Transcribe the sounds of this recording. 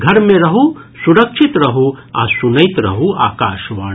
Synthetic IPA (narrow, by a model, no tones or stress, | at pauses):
ɡʱɐɾmẽɾɐɦusuɾɐkʃʰit̪ɾɐɦua̰sunɐjt̪ɾɐ̰ɦua̰ːkaːʃʋaː